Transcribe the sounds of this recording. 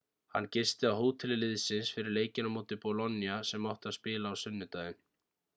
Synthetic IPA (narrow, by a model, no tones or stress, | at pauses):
ha̰nːcɪst̪ɪawɦoːwt̪ʰɪlɪlɪðsɪnsfɪɾɪɾleːjcɪnamuːt̪ɪpɔlɔnːjasɛmːawht̪aðspɪːlaːwsʏnːʏt̪ajðɪn